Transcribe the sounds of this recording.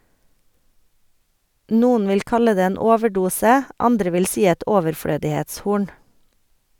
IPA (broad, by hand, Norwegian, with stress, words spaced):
ˈnuːn̩ ˈʋɪl ˈkɑlə ˈdeː ˈeːn ˈoːʋəˌɖuːsə ˈɑndɾə ˈʋɪl ˈsiː ˈɛt ɔʋəɾˈfɽøːdɪheːtsˌhuːɳ